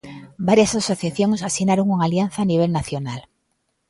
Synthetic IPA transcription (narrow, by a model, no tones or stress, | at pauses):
baɾjasasoθjaθjoŋsasinaɾoŋuŋaljan̟θaːniβ̞elnaθjonal